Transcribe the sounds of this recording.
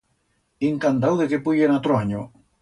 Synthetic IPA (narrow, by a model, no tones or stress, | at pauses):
iŋkand̪awðekepujenat̪ɾoaɲo